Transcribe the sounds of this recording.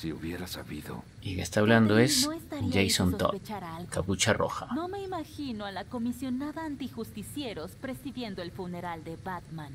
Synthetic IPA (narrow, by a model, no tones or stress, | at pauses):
siuβjeɾasaβiðo̰ | ikest̪aβland̪oesost̪ad͡ʒejsont̪o̰t͡ʃaɾkaput͡ʃarʔo̰xanome̞imaxinoalako̞misjo̞naðaːnt̪ixust̪isje̞ɾospɾe̞siðje̞nd̪oelfune̞ɾald̪e̞βat̪man